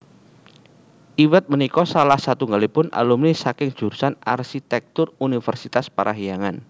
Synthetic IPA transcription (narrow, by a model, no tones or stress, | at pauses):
ʔiwɛt̪̚mənikɔsalahsat̪uŋɡalipʊnʔa̰lumnisakɪŋd̥ʒ̥ṳrsanarsit̪ɛk̚t̪ʊrunifərsit̪aspaɾʔaɦijaŋan